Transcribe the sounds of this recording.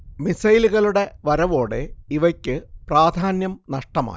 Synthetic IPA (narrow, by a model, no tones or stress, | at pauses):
misɐjluɣɐɭuɽe̞ʋɐɾɐʋo̞ːɽeiʋɐkʲːɨpraːd̪ʱaːnjɐmnɐʂʈɐma̰ː